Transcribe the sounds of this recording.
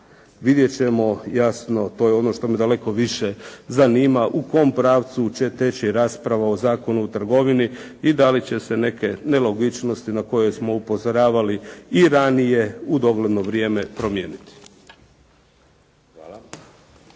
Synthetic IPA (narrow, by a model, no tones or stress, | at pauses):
ʋid̪je̞t͡ɕe̞mo̞jasno̞t̪o̞ːjeo̞no̞ʃt̪o̞med̪ale̞ko̞ʋiʃezaniːmaʔuko̞mpɾaːʋt̪sut͡ɕe̞t̪e̞t͡ɕiɾaːspɾaʋaozaːko̞nuːt̪r̩ɡo̞ʋiniː | d̪alit͡ɕe̞se̞ne̞ke̞ne̞lo̞ɡit͡ʃno̞st̪inako̞je̞smo̞upo̞zoɾaːʋaliiɾanije̞ud̪o̞ɡle̞d̪no̞ʋɾje̞ːme̞pɾo̞mjeːnit̪i̥